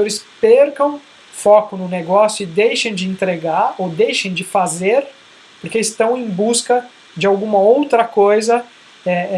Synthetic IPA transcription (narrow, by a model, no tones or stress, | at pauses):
oɾɪspeɾkɐ̃w̃ | fɔkʊnʊneɡɔsjʊɪd̪ejʃɐ̃j̃d͡ʒɪẽnt̪ɾeɡaɾowd̪ejʃẽj̃d͡ʒɪfazeɾ | poɾkeɪst̪ɐ̃w̃ẽj̃buskɐ | d͡ʒɪawɡũmɐowt̪ɾɐkojzɐ | ɛ